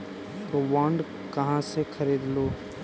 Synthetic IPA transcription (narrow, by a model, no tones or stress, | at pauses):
t̪oʋaːɳɖ | kɐɦãsekʰɐɾiːd̪loː